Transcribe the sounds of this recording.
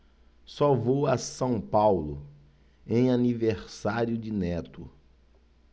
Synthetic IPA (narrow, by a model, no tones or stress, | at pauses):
sɔvowasɐ̃w̃pawlʊ | ẽj̃aniveɾsaɾjʊd͡ʒɪnɛt̪ʊ̰